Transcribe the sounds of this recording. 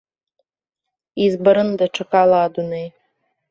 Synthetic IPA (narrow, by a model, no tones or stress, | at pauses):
izbɐɾɨnd̪ɐʈ͡ʂʰɨkʼalˠaːd̪unej